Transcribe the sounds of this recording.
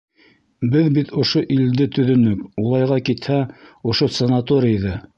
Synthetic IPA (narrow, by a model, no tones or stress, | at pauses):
bɘðbit̪ŏʃoʔild̪ɘt̪ɵ̆ðɵ̆nɵkulˠɑjʁɑkit̪hæŏʃosɐnat̪oɾʲɪiðɤ